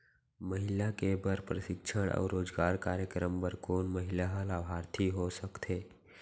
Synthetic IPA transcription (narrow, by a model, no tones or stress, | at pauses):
məɦɪlakebəɾpɾəʃɪkʃʰəɽ̃ʔɔ̰ːɾoːd͡ʒɡaːɾkaːɾjəkɾəmbəɾkoːnməɦɪlaɦəlaːbʱaːɾt̪ʰiɦosəkt̪ʰeː